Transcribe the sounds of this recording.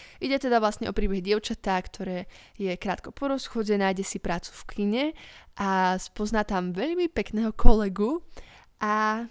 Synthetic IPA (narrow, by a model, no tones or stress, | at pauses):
ʔiɟɛt̪ɛd̪aʋlasɲɛʔɔpɾiːbɛɦɟɪɛʊt͡ʃat̪akt̪ʰɔɾɛːjɛkɾaːt̪kɔpɔɾɔsxɔɟɛnaːjɟɛsipɾaːt͡su̥fkʰiɲɛʔaspɔznaːt̪amʋɛʎmipɛknɛːɦɔkʰɔlɛɡu | ʔa